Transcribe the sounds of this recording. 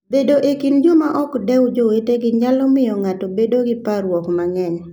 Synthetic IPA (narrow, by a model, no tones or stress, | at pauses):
bedoʔekind͡ʒomaʔɔkdɛwd͡ʒoweteɡɪɲalɔmɪjɔŋatɔbedoɡɪpaɾwɔkmaŋɛɲ